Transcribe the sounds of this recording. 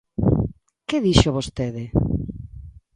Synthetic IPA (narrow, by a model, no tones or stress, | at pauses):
keðiʃoβost̪eðɪ